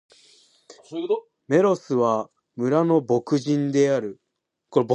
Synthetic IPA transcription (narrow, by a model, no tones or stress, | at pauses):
me̞ɾo̞sɨβa | mɯ̟ɾano̞bo̞kɯ̟ʑĩnd̪e̞aɾɯ̟ | koɾb